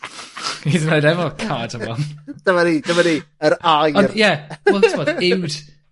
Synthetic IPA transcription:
idənojɾɛvɔkʰadəbɔnd̥əmanid̥əmaniəɾajɔnjɛɛlˠtʰvɔːdɪwd̥

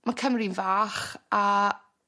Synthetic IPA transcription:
makʰəmrɪnvaːχa

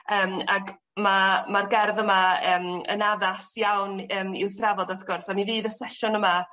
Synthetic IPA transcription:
əːmaɡ | mamarɡɛrðəmaəːmə̰naðasjawnəːmɪ̰wθravɔdɔfɡ̥ʊrsamiviːðəsɛʃʊnəma

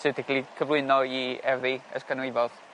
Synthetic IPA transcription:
sɨtʰɛklˠikʰəvlˠɨnɔiɛvðiə̰skʰanwɨvɔð

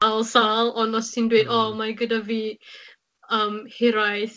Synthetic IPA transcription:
alˠsalˠɔnɔssindwedɔmaɡədaviː | əmhɪɾajθ

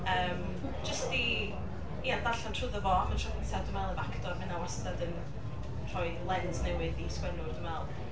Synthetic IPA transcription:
əːm | d͡ʒəsti | iːanðaɬantʰrʊðɔvɔamantʰrɔðɪnsʰadəmɛlˠəvakdɔrmɪnawastadən | r̥ʰɔjðlˠɛnznɛwɪðiskwɛnʊrdəmɛlˠ

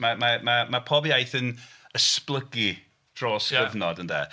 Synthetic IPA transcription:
mamamamapʰɔbjajθənəsplˠəɡi | d̥roːsɡəvnɔdəndɛ̰

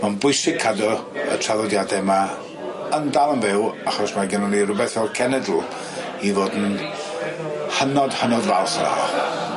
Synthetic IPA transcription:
manbʊɨsɪɡ̚kʰːadɔə̰tʰraðˠɔdjadɛma | əndalˠənvɪwaχɔsmaɡənɔnirʊbɛθɔkʰɛnɛdl̩ˠ | ivoːdn̩ | hənɔd̥hənɔdva̰lˠθəɾa̰

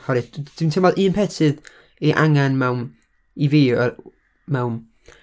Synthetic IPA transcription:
hɔɾɨd̥ɪntʰɪmɔlˠʔɨːnpʰɛtʰɨð | iʔa̰ŋanmɛwn | iviːɔ | mɛwn

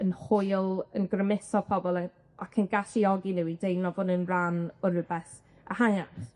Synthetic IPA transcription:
ənhʊjlˠənɡrəmɪθɔpʰɔbɔlˠɛ | ʔakʰənɡaʃiɔɡinɪwidejnɔvʊnənranʊɾəbɛθ | ahajapθ

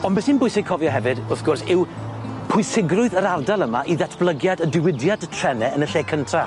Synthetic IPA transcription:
ɔnbɛsinbʊjsɪɡ̚kʰɔvjɔɦɛvɨdʊθɡ̥ʊrsɪwpʰʊɨsɪɡrʊɨðəɾardalˠəmaʔiðatʰb̥lˠəɡjadədɪwɪdjadtʰr̥ɛnɛənəɬeːkʰəntʰa

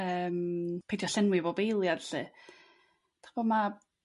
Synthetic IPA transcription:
əːmpʰejdjɔɬɪnwɪvɔbejlˠjadɬɨ | d̥χboma

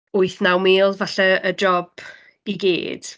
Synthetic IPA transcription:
ʊɨθnawmiːlˠvaɬaəd͡ʒɔb̥ | iɡḛːd̥

